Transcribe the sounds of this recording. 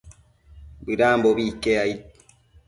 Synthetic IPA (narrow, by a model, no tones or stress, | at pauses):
biɾaːmbobikːeait